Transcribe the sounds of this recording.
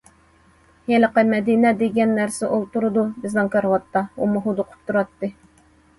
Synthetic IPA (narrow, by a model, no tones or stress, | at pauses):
heləqɑmɛd̪inɛd̪eɡʲɛnːæɾsɛʔolˠt̪uɾɨd̪ubɪznɨŋkɑɾwɑt̪ːɑṵmʊɦud̪ɨqʰʊ̥p̚t̪ʰːuɾɑt̪ːɨ